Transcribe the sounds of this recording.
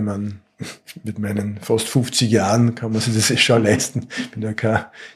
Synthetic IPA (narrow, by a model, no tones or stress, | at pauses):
man | mɪtmæɪnənfastfʊft͡sɪçjaːʁənkʰanmɐsɪçdesɛʃalæɪstn̩pɪndɛkʰaː